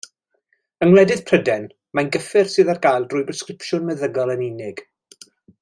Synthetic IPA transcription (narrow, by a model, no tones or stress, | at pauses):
əŋwlɛdɪð̥pʰrədɛn | manɡəfɪrsɨːðarɡ̥aːjlˠdrʊːjbɛskrɪpʃʊnmɛðəɡɔlˠənɪnɪɡ̥